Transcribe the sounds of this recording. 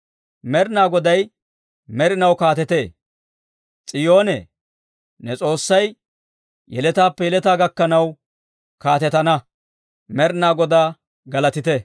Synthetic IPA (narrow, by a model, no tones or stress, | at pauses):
mɛɾɪnaːɡɔd̪ɐj | mɛɾɪnɐwkaːt̪ɛt̪eː | t͡sʼɪjo̞ːnɛ̰ | nɛt͡sʼo̞ːsːɐj | jɛlɛt̪aːpːɛjɛlɛt̪aːɡɐkːɐnɐw | kaːt̪ɛt̪ɐnɐ | mɛɾɪnaːɡɔd̪aː | ɡɐlɐt̪ɪt̪ɛ